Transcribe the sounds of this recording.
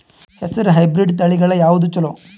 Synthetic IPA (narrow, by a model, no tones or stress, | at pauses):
hɛsɐɾɯɦɐjbɾɪɖt̪ɐɭiɣɐɭɐjaːʋud̪ut͡ʃːɐloː